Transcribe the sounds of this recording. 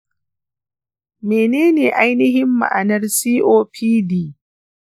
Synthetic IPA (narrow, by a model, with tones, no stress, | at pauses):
meː˨neː˦neː˨ʔa˦jnɪ˦ɦɪ˦mːa̰˨ʔa̰˨nɐ˦rsiː˦ʔoː˦pʰiː˦diː˦˨